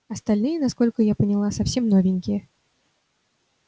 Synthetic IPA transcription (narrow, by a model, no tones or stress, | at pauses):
ɐst̪alʲnɨjɛnaskɔlʲkʊjapənʲilˠasawsʲɛmnɔvʲɪnʲkʲijɛ